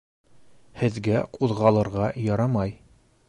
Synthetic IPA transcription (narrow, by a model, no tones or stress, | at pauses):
hɘ̆ðɡæquðʁɑlˠɤ̆ɾʁɑjɒɾɑmɑj